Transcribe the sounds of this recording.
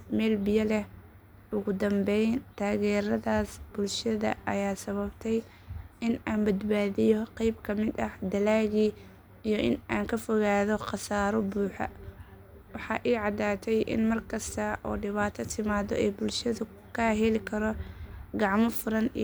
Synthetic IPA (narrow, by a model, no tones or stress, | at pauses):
mɛːlbɪjɐlɛh | ʊɣʊd̪ɐmbɛjnt̪ʰaːɣɛːɾɐðaːsb̥ʊlʃɐðɐ̰ʔɐ̰jaːsɐβɐbt̪ʰɛj | ɪnaːnbɐd̪baːðɪjɔqɛjbkʰɐmɪd̪ɐhd̪ɐlaːɣi | ijɔʔɪnaːŋkʰɐfɔɣaːðɔqɑsaːɾɔbuːħɐ̰ | wɑħɑʔiːʕɑd̪aːt̪ʰɛjʔɪ̰nmɐrkʰɐst̪ʰɐʔɔ̰ːɖɪβaːt̪ʰɐt̪ʰɪmaːðɔ̰ɛjbʊlʃɐðʊ | kʰaːɦɛlɪkʰɐɾɔɡɑʕmɔfʊɾɐnḭ